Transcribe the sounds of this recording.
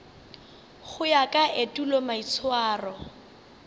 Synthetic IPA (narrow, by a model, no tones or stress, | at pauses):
χʊjakʼaʔetulɔmait͡sʰwaːrɔ